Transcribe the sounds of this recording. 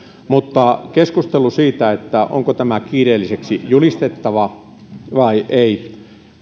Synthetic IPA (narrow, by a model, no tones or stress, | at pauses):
mut̪ːɑkeskust̪elːusiːt̪æet̪ːæʔo̰ŋkot̪æmækiːreːlːiseksijulist̪et̪ːɑʋɑ | ʋɑiʔei